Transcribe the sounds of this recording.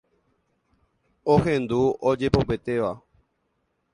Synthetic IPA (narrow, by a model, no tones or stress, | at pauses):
ohẽnd̪uod͡ʒe̞pope̞t̪e̞ʋa